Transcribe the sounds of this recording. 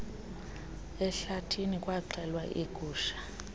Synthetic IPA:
ɛɬatʰinikʼwaǃʰʱɛlwaʔiɡ̥ʱʼuːʃḁ

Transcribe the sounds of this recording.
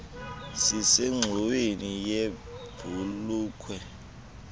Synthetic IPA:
siseŋ͡ǁʱuwenijeb̥ʱuluːkʰwɛ

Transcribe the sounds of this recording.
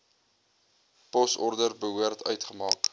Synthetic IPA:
pɔsɔrdərbəɦuərtʰœ̰ɥtχəmɑːk

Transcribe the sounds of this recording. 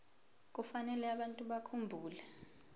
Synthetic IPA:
k̬ufanɛlɛaɓantʼuɓakʰumbʱuːlɛ

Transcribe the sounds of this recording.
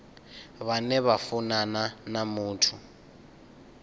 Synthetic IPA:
βanɛβafunananamuːtʰu

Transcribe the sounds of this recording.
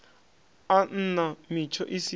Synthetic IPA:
an̩namit͡ʃʰɔ̰ʔisi

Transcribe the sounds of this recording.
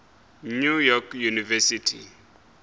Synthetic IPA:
nujɔkʰjunivɛsitʰḭ

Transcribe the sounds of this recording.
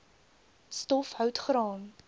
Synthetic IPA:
stɔfɦœwtχɾɑːn

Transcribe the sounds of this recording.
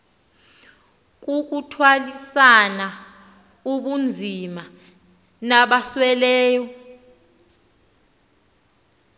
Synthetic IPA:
k̬ʼuk̬ʼutʰwalisana | uɓund͡zʱima | naɓaswɛlɛːjɔ

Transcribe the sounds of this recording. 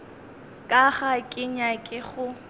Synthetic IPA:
kʼaχakʼɪɲakʼɪχʊ

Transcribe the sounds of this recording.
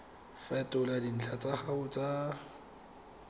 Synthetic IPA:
fɛtʼʊladin̩t͡ɬʰat͡sʼaχaʊt͡sʼa

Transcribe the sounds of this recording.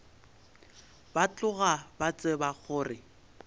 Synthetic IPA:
bat͡ɬʊɣabat͡sʼɪbaɣʰʊːrɪ

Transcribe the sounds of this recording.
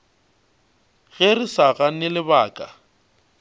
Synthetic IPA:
ɣerisaɣanɪlɪbaːkʼa̰

